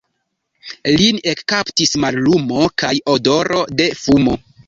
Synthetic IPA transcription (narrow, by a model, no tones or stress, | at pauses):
line̞kːaptismaɾlumo̞kajo̞do̞ɾo̞de̞fumo̞